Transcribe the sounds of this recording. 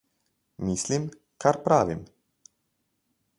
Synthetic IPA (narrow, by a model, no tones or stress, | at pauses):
mislim | kaɾpɾaːʋim